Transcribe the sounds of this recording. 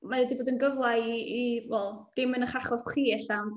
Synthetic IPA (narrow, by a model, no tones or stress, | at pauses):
maɛdiboːdənɡəvwlajiiwɛlˠd̥ɪmənəχaχɔsχiːɛɬawn